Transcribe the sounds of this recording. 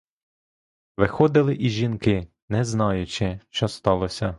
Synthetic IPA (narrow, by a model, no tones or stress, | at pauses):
ʋɪxɔd̪ɪlˠɪʔizʒinkɪ | nɛznɑjʊt͡ʃɪʃt͡ʃɔst̪ɑlˠɔsʲɐ